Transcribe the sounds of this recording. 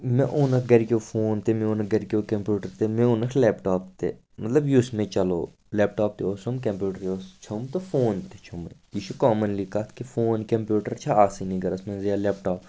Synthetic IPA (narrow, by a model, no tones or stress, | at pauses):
mɛ̃ʔoːnɐkʰɡɐɾkʲoːfʰoːnt̪emẽonɐkɡɐɾkoːkɐmpjuːʈəɾt̪emẽonɐkʰlɛːpʈaːpt̪ḛː | mɐt̪ləbjusmẽːt͡ʃɐlo̰ː | lɛːpʈaːp̚t̪eosomkɐ̃mpjuːʈəɾost͡ʃʰʊmt̪ofʰoːnt̪et͡ʃʰʊmiːʃukaːmənliːkɐt̪ʰkifʰoːnkɐmpjuːʈəɾt͡ʃʰaaːsinĩɡɐɾɐsmɛ̃ːzijaːlɛːpʈaːp